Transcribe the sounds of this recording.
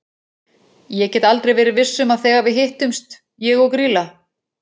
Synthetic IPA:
jɛcɛːt̪alt̪ɾejvɛːɾɪvɪsːʏmaðθɛːɣavɪɦɪht̪ʏmst̪ | jɛɣɔkɾiːla

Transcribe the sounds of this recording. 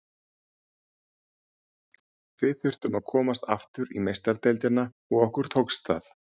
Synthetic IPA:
vɪðθʏr̥t̪ʏmaðkʰɔːmast̪a̰ft̪ʏɾimejst̪aɾt̪ɛlt̪ɪna | ɔɣɔhkʏɾ̥t̪howkst̪a̰ːθ

